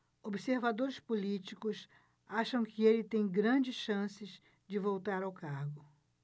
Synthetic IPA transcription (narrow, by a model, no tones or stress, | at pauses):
obɪseɾvad̪oɾɪspolit͡ʃikʊs | aʃɐ̃w̃kɪelɪt̪ẽj̃ɡɾɐ̃d͡ʒɪsʃɐ̃sɪz | d͡ʒɪvowt̪aɾawkaɾɡʊ